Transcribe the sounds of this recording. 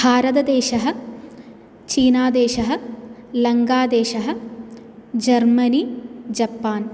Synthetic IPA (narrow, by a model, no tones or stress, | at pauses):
bʱaːɾɐt̪ɐd̪eːʃɐɦɐ̆ | t͡ʃiːnaːd̪eːʃɐɦɐ̆lɐŋɡaːd̪eːʃɐɦɐ̆ | d͡ʒɐɾmɐnid͡ʒɐpːaːn